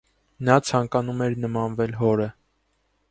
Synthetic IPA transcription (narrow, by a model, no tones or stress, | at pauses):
nɑt͡sʰɑŋkɑnumɛɾnəmɑnvɛlɦɔɾə